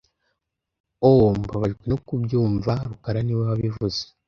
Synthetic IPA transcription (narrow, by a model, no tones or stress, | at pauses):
ombaβaʒɡwenokubjuːɱvaɾukaɾaniwewaβivuze̥